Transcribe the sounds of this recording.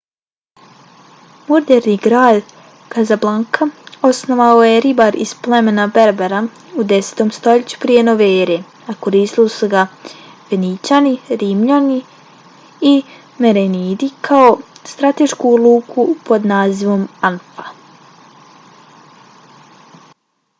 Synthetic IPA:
moɾd̪eɾniɡɾaːd̪ | kazablˠaŋkʰao̞sno̞ʋaojeɾibaɾizplˠe̞me̞nabe̞ɾbeɾa | ud̪ese̥t̪o̞mst̪o̞ʎet͡ɕu̥pɾije̞no̞ʋeeɾe | ako̞ɾiːst̪ilisuɡa | fenit͡ɕaniɾimʎani | i | meɾeniːd̪ikʰao̞st̪ɾat̪e̞ʃkulˠuːkʰupo̞d̪naːziʋo̞manfa

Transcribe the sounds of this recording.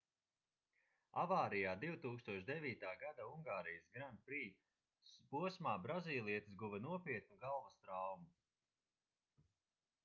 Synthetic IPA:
a̰vaːɾijaːd̪iwt̪uːkst̪uɔʃd̪ɛvʲiːt̪aːɡad̪auŋɡaːɾijasɡɾan̚pɾiː | spuɔsmaːbɾaziːlˠiɛt̪isɡuvɛnuɔpiɛt̪̚nuɡalˠvast̪ɾawmu

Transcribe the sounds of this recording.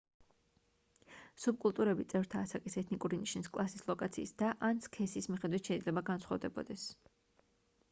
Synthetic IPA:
sub̚kʼulˠt̪ʼuɾɛbit̪sʼɛvɾt̪ʰaːsakʼisɛt̪ʰnikʼuɾiniʃniskʼlˠasislˠɔkʼat̪sʰḭːsd̪aʔanskʰɛsismiχɛd̪wit̪ʰʃɛid̪zlɛbaɡansʰχwavd̪ɛbɔ̰d̪ɛs

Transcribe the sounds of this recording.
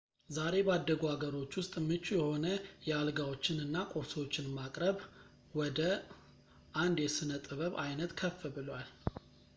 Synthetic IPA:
zaɾe̞bəad̪ːəɡuhaɡəɾo̞t͡ʃːwʊst̪ʼmɨt͡ʃːujɛho̞nəjɛalɡawot͡ʃːɪnɨnːakʼo̞ɾswot͡ʃːɪnmakʼɾəβ | wɔd̪ə | ʔand̪jɛsɨnət̪ʼɨβəβajnət̪kʰəfːɨbɨlwal

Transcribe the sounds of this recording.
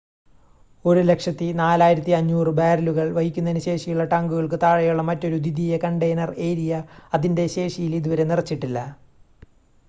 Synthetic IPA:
o̞ɾule̞kʂɐt̪ːinaːlaːjiɾɐt̪ːiɐɲːuːrɨbaːɾɐluɣɐɭʋɐhikʲːunːɐnuɕe̞ːʂijuɭːɐʈaːŋɡuɣɐɭkɨt̪aːɻɐjuɭːɐmɐtːo̞ɾud̪id̪ʱijɐkɐɳɖejnɐreːɾijɐɐðinde̞ɕe̞ːʂijiliðuʋɐɾe̞nirɐt͡ɕːiʈːilːɐ

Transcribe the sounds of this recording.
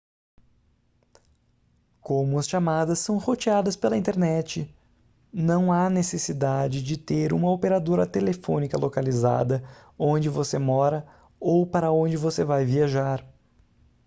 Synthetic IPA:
kõmʊɐsʃamad̪ɐsːɐ̃w̃hot͡ʃiad̪ɐspelɐĩnt̪eɾnɛt͡ʃɪ | nɐ̃w̃anesesid̪ad͡ʒɪd͡ʒɪt̪eɾṵ̃mɐopeɾad̪oɾɐt̪elefõnikɐlokaliza̰d̪ɐõd͡ʒɪvosemɔɾɐ | owpaɾɐõd͡ʒɪvosevajviaʒaɾ

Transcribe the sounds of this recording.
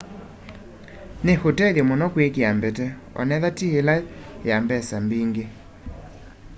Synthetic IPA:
nehotɛðjɛmɔnɔkwekeambɛtɛ | ɔ̰nɛðatielajambɛsambiŋɡe

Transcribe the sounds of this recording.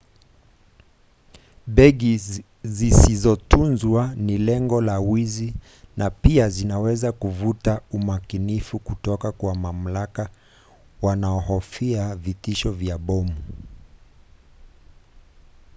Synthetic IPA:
ɓɛɡi | zisizɔtunzwanilɛŋɡɔlawizi | napiazinawɛzakuvutaumakinifukutɔkakwamam̩laka | wanaɔhɔfiavitiʃɔvjaɓɔmu

